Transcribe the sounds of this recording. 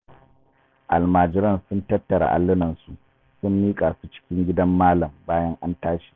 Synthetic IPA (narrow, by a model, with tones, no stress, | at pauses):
ʔa̰˨lmaː˨d͡ʒɪ˦ɾɐ˦˨nsʊ˦ntɐ˦tːɐ˨ɾa̰˨ʔa̰˨lːʊ˦nɐ˨nsu˨ʔ | sʊ˦mːiː˦kʼaː˨su̥˦t͡ʃɪ̥˦kʲɪ˦ŋɡʲɪ˦dɐ˦mːaː˦lɐ˨mbaː˦jɐ˦ŋʔa˦ntaː˦ʃi̥ː˨